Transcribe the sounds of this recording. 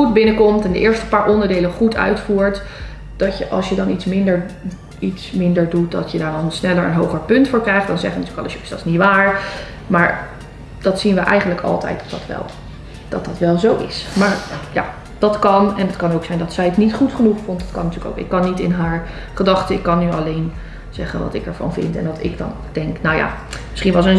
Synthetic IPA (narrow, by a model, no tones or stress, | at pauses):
χud̚bɪnəkɔmtɛndə̰ʔɪːɹstə̥paːɹʔɔndəɹdejlənχutʰœ̰ɥtfuːɹt | d̥ɑtjəʔɑ̰lˠsjədɑnitsmɪndəɹ | itsmɪndəɹdut̚dɑ̰tjədaːɹʋɑlˠənsnɛləɹə̰nɦowχəɹpɵntfʊːɹkrɛjχtd̥ɑnzɛχəʋəntyːkɑ̰ləʃɪsdɑsnitʋaːɹ | maːɹ | d̥ɑtsinʋəʔɛ̰jχəndləkɑ̰lˠtɛ̰jt̚dɑ̥tdɑ̰tʋɛ̰lˠ | d̥ɑtdɑtʋɛlˠzowɪ̰smaːɹja̰ː | d̥ɑtkɑnɛnətkɑnowksɛjndɑtsɛjətnitχutχənuχfɔntdɑtkɑnːətyːəko̰wkɪ̰kːɑnːitɪnɦaːɹ | χədɑχtəɪkːɑnːyɑlejn | z̥ɛχənʋɑ̰tɪkɛɹvɑ̰nvɪ̰ntɛ̰nɑtɪ̰ɡdɑ̰n | d̥ɛŋknawja̰ːmɪsχinʋɑlˠsən